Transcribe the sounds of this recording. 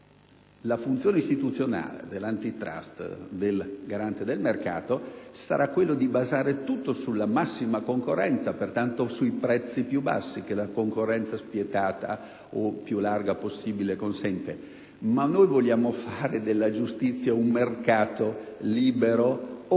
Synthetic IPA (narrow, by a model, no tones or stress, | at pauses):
lafunt̪sjoːneist̪it̪ut̪sːjona̰ːlḛd̪elːant̪it̪ɾa̰st̪d̪elɡaɾant̪ed̪elmerka̰ːt̪osa̰ɾʔakːwelːod̪ibazaːɾet̪ut̪ːosulːamasːimakoŋkorːɛnt̪sapert̪ant̪osuipɾɛt̪sːipjuba̰sːik̟elakoŋkorːɛnt̪saspjet̪aːt̪a̰ | opjularɡaposːiːbilekonsɛnt̪e | manːojvoljaːmofaːɾed̪elːad͡ʒust̪it̪sːjaummerkaːt̪oliːbeɾo